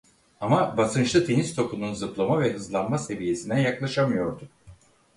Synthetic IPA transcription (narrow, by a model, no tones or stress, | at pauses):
amabasɯnt͡ʃlˠɯt̪ʰe̞nizt̪ʰo̞kununzɯplˠamavɛɦɯzlˠanmase̞vije̞sinɛjaklˠaʃamɯjo̞ɾd̪u